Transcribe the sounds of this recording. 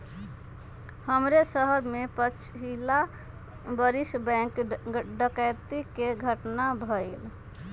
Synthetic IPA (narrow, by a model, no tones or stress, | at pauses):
həmɾesəɦəɾmepət͡ʃʰɦila | bəɾisbɛ̃kɖəkət̪ikeɡʱəʈnabʱəil